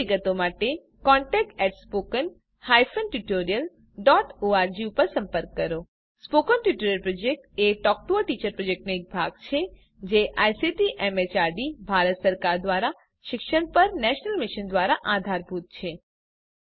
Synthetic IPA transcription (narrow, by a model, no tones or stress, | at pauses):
iɡət̪omaʈe | kɔɳʈɛk̚ʈɛʈspokən | hajfʰənʈuʈoɾijəl | ɖɔʈoaɾd͡ʒiupəɾsə̃mpəɾkːəɾo | spokənʈuʈoɾjəlpɾod͡ʒek̚ʈeʈɔk̚ʈooʈit͡ʃəɾpɾod͡ʒek̚ʈnoek̚bʱaɡt͡ʃʰe | d͡ʒeʔajsiʈiʔɛmet͡ʃaɾɖibʱaɾət̪səɾkaɾd̪ʋaɾa | ʃɪkʃəɳpəɾnɛʃnəlmiʃənd̪ʋaɾaʔad̪ʱaɾbʱut̪̚t͡ʃʰe